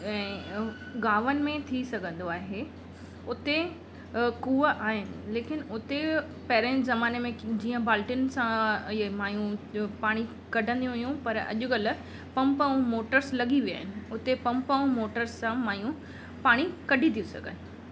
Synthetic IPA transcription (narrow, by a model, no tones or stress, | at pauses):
ɛ̃ː | ɡaːʋənɪ̆mẽt̪ʰisɐɡʱə̃n̆d̪oaːɦe | ʊt̪e | kuːəʔaːɦɪnɪ̆leːkɪnʊt̪e | pɐɦɾẽzɐmaːnemẽd͡ʑiːə̃baːlʈɪnsãmaːjũpaːɽ̃i | kɐɖʱə̃nd̪ijũɦʊjũpɐɾɐ̰ʄʊɡɐlʊ̆ | pɐ̃mpɐũmoːʈəɾslɐɠiʋija̰ːɦɪnɪ̆ʊt̪epɐ̃mpəũmoːʈəɾsːãmaːjũ | paːɽ̃ikɐɖʱit̪ʰijũsɐ̰ɡʱə̰n